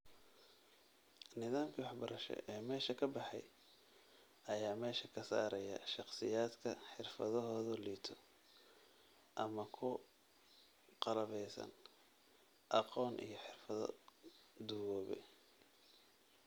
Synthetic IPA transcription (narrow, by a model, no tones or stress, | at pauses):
nɪðaːmkʰiwɑħbɐɾɐʃɛ̰ʔɛːmɛːʃɐkʰɐbɑħɑ̰j | ɐjaːmɛːʃɐkʰɐsa̰ːɾɐjɐ̰ʃɑqsɪjaːd̪kʰɐħɪrfɐðɔɦɔːðɔliːt̪ʰɔ̥ | ʔɐmɐkʰʊ | qɑlɐβɛjsɐ̰n | ʔɑqɔːnʔḭjɞħɪrfɐðɔ̰ | d̪ʊwɔːβɛ̰